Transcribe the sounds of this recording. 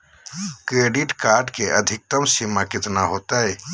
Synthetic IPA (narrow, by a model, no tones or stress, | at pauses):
kɾeɖiʈkaɾɖkeʔəd̪ʱik̚t̪əmsimakit̪naɦot̪əj